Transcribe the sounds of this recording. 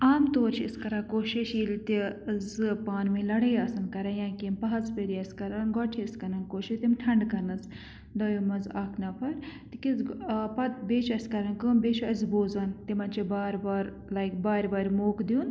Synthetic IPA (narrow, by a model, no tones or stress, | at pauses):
aːmt̪oːɾt͡ʃʰiiskɐɾaːkoːʃiʃilt̪izɨpaːnmĩlɐɽɐjaːsɐnkɐɾɐnjãːkimpɐɦɐzpeɾiɐskɐɾanɡɔʈʰiɪskɐɾɐnkoːʃit̪imʈʰɐɳɖkɐɾnɐs | d̪ɔjomɐzaːkʰnɐpʰɐɾt̪ikizpɐt̪̚beːt͡ʃʰɐskɐɾɐnkɨmbeːt͡ʃʰɐzboːzɐnt̪imɐnt͡ʃʰibaːɾbaːɾ | lajkbaːɾʲbaːɾʲmoːkd̪ijun